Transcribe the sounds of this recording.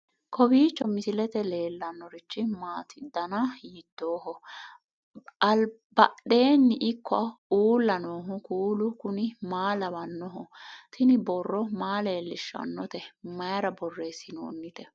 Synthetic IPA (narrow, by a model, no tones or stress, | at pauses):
kʰɔbiːt͡ʃːɔmɪsɪlɛt̪ɛle̞ːlːɐnːɔɾɪt͡ʃːɪmaːt̪ʰɪd̪ːɐnɐjɪd̪̥ːo̞ːɦɔ | ɐl | bɐɗe̞ːnːɪʔɪkːɔɐuːlːɐnoːɦʊkuːlʊkʊnɪmaːlɐbɐnːɔɦɔt̪ʰɪnɪbɔrːɔmaːleːlːɪʃːɐ̰nːɔt̪ɛmɐjɐɾɐbɔrːe̞ːsɪno̰ːnːɪt̪ɛ